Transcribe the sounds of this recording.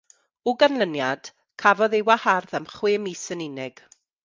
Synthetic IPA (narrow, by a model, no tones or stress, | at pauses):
ʊɡanlənjad̥ | kʰavɔðewaharðamχwɪːmisənɪnɛɡ̥